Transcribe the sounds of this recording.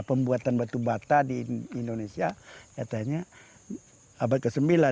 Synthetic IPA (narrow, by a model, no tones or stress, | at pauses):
pəmbuat̪anbat̪ubat̪adiindonesiakat̪aɲa | abat̪̚kəsəmbila